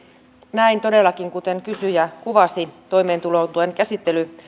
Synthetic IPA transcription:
næint̪o̞delːɑkiŋkut̪eŋkysyjækuʋɑst̪it̪o̞ime̞ːnt̪ulot̪uenkæsit̪ːely

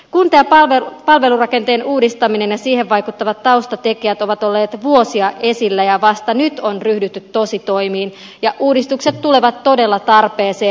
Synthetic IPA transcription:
kunt̪eæpʋepɑlʋe̞lurɑke̞nt̪e̞ːnuːdist̪ɑmine̞njɑsiːheʋʋɑjkut̪ːɑʋɑt̪tɑust̪ɑt̪e̞kiæt̪oʋɑt̪o̞lːe̞ːt̪ʋuo̞siɑʔe̞silːæjɑʋɑst̪ɑnyt̪o̞nryhdyt̪ːyt̪to̞sit̪o̞imiːn | jɑʔuːdist̪ukset̪tule̞ʋɑt̪to̞de̞lːɑt̪ɑrpe̞ːseː

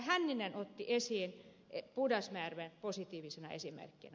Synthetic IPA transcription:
hænːinenot̪ːiʔesiːn | epudɑsmæːrʋenposit̪iːʋisenɑḛsimḛrkːḭnæ

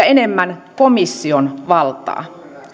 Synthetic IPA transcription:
ɑene̞mːænko̞misːionʋɑlt̪ˑɑ̰ː

